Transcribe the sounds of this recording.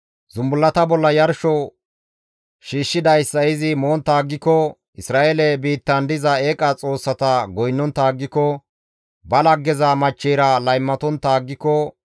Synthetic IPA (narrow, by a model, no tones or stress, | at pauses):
zʊmbʊlːɐt̪ɐbɔlːɐjɐɾʃɔ | ʃiːʃːɪd̪ɐjsːɐɪzɪmoːnt̪ːaːɡːɪkːɔ | ʔɪsɾaːʔelɛbiːt̪ːɐnd̪ɪzɐeːkʼɐt͡sʼo̞ːsːɐt̪ɐɡɔjnːɔnt̪aːɡːɪkːɔ | bɐlɐɡːɛzɐmɐt͡ʃːɛːɾɐlɐjmːɐt̪ɔnt̪ːaːɡːɪkːɔ